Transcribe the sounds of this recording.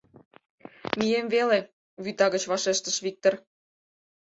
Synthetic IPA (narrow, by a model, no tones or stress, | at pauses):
mijemvele | βyt̪ɑɣət͡ɕβɑʃeʃt̪əʃβik̚t̪or